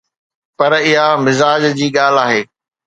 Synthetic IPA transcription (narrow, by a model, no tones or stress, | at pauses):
pɐɾɪɦamɪzaːd͡ʑd͡ʑiːɠaːl̤aːɦeː